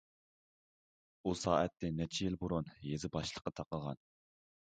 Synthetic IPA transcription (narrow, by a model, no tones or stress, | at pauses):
usɑːʔɛt̪ʰːɪnɛt͡ʃʰijilboɾunjezɪbɑʃlˠə̥qːɑt̪ʰɑqəʁɑ̰n